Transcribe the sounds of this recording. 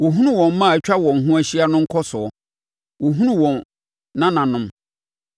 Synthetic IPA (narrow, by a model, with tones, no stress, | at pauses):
wo˨ɦũ˦nũ˦wɔ̃˨mː˦ã˦˨t͡ɕᶣa˦wɔ̃˨n˨ɦũ˦æ˦ɕi˦a˦nʊ̃˦ŋ̩˦kʰɔ˦sʊ˨ɔ˨ | wo˨ɦũ˦nũ˦wɔ̃˨n | nã˦nã˨nʊ̃˦m